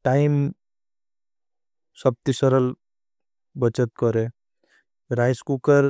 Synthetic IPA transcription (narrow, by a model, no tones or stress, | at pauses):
ʈaim | səb̚t̪isəɾəl | bət͡ʃət̪̚kɔɾe | ɾajskukəɾ